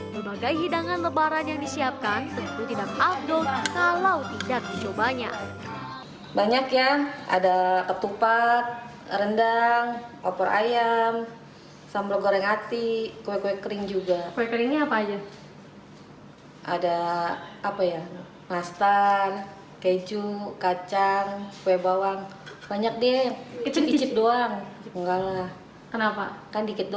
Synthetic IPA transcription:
bəbaɡajɦidaŋanləbaɾanjaŋdisiap̚kansəɡut̪ut̪idak̚af̚dɔlkalawt̪idak̚dit͡ʃobaɲa̰ | baɲakjaa̰dakət̪upat̪̚ | rəndaŋɔpɔɾʔa̰jam | sambloɡoɾɛŋhat̪ikowɛkowɛkəɾɪŋd͡ʒuɡakowɛkəɾɪŋɲaapaːd͡ʒa | ʔadaː | paja | mast̪ar | ked͡ʒukat͡ʃaŋkowɛbawaŋbaɲak̚diait͡ʃit͡ʃɪp̪̚doaŋt͡ʃŋɡalah | kənapakandikɪt̪̚do

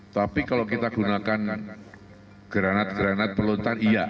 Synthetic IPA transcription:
t̪apikalokit̪aɡ̥unakan | ɡ̥əɾanat̪̚ɡ̥əɾanat̪̚pərlont̪anija

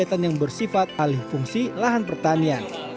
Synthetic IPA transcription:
at̪anjaŋbərsifat̪̚alɪhfuŋsilaɦanpərt̪anian

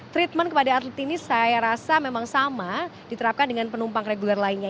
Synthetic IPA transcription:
t̪ɾit̪̚mənkəpadaːt̪lət̪inisajaɾasamemaŋsamadit̪əɾap̚kandəŋanpənumpaŋreɡularlainɲa

